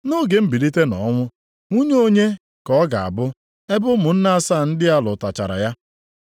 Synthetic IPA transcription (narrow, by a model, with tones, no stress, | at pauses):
no˦˨ɡe˨m̩˦bi˨ɾi˦te˦nɔ̰˨˦ŋʷʊ˦ | ŋu˦ɲe˦o˦ɲe˦ | kɔ˦ɡa˨a̰˨bʊ˦ | e˦bʊ˦mʊ˨n̩˦na˦a˦sa˦˨n̩˦dɪ˦a˦lʊ̰˨ta˨t͡ʃa̰˨ɾa̰˨ja˦